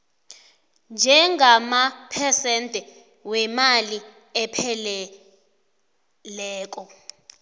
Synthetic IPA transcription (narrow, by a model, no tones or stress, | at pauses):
nd͡ʒʱɛŋʱamapʰɛsɛntʼɛ | wɛmali | ɛpʰɛlɛ | lɛːk̬ʼɔ